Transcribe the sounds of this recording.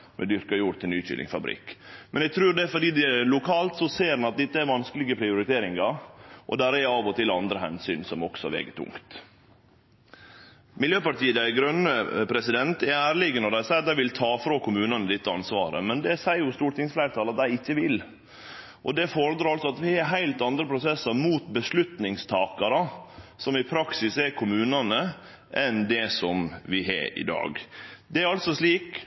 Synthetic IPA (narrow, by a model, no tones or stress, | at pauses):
mʔɛ̰d̪ʏɾkɑjuːɾt̪ʰɪlnyːçɪ̰lɪ̰ŋfɑ̰bɾɪ̰kːmɛnɛɡ̚t̪ʰɾʉːɖɛfɔɖiːd̪ɛlʊkʰɑːlt̪sɔseːɾɑnɑt̪̚d̪ɛt̪ːəæɾʋɑnskəlɪɡəpʰɾɪʊɾɪt̪ʰeːɾɪŋɑɾʔɔ̰d̪æːɾəɛɑːʋɔt̪ʰɪlɑnd̪ɾəɦɛ̰nsy̰ːnsɔmɔ̰ksɔʋḛːɡət̪ʰʊ̰ŋkt̪ | mɪljøːpɑʈiːəd̪æɪɡɾœnəpʰɾɛsɪd̪ɛnt̪ɛæːɾɭɪɡənɔd̪æɪsɛɪt̪d̪æɪʋɪlt̪ʰɑːfɾoːkʊmʉːnɑnəd̪ɪt̪ːəɑ̰nsʋɑ̰ːɾə̰mɛnd̪ɛsæɪjʊst̪uːʈɪŋsflæɪɾt̪ʰɑlɑt̪̚d̪æɪɪçːəʋɪl | ʔɔd̪ɛfɔɾd̪ɾɑːɾɑlsɔɑt̪ʋɪhɑɾɦæɪlt̪ɑnd̪ɾəpʰɾʊsɛsːɑɾmuːt̪bəslʉt̪nɪŋst̪ʰɑːkɑɾɑsɔmɪpʰɾɑksɪsɛkʰʊmʉːnɑnə | ʔɛnd̪ɛsɔmʋɪɦɑ̰ɪ̰d̪ɑ̰ːɡd̪ɛæɾɑlt̪sɔsliːk